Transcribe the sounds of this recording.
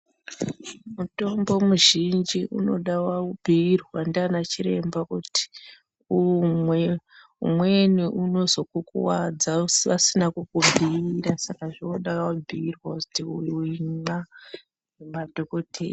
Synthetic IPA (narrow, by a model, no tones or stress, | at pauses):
muto̞mbo̞muʒind͡ʒiʔuno̞ɗawaubʱiːrwandanat͡ʃiɾe̞mbakuti̥ | umwe | ṵmweniʔuno̞zo̞kukuwad͡zausasinakukubʱiɾasakaʐioɗaubʱiirwakutiuuina | madʱokotʰḛː